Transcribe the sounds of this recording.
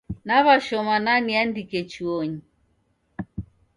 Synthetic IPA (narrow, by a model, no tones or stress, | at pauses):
naβaʃɔmananiandikɛt͡ʃuɔɲi